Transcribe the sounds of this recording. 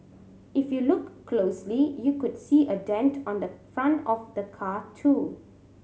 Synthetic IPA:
ɪfjulʊkːʰloːslijukʊdsiːʔədɛ̃ntʰɔ̃nd̪əfɹãntɔfd̪əkʰaːtʰu

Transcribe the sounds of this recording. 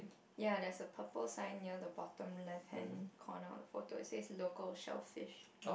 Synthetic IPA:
jadɛsəpʰəpəlsãɪnniədəbɔtə̃mlɛfhɛ̰̃nkʰɔna̰dəfoto̰seɪtslokəlʃɛ̰lfɪʃ

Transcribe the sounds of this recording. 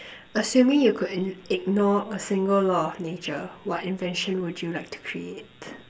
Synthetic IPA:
əsjũmɪ̃ŋjukʰudɪɡ̚nɔɹəsɪ̃ŋɡəllɔnet͡ʃəwɔtɪ̃nvɛ̃nʃə̃nwud͡ʒjulaɪk̚tʰu̥kʰɹiet

